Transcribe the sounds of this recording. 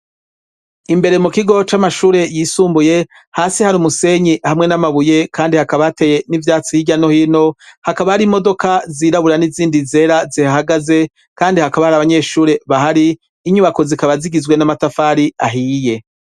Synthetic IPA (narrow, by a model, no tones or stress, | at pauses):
imbe̞ɾe̞mukiɡo̞t͡ʃamaʃuːɾe̞jisuːmbuje̞ | haːsihaɾumuse̞ɲihamŋe̞namaβuje̞kʰaːndihakaβateːje̞nivjaːt͡siiɟano̞hiːno̞hakaβahaɾimo̞do̞kaziɾaβuɾaniziːndize̞ːɾazihahaɡaze̞ | kaːndihakaβahaɾaβaɲe̞ːʃuːɾe̞βaɦaɾiː | ɲuβako̞zikaβaziɡizɡwe̞namatafaːɾiaɦiːje̞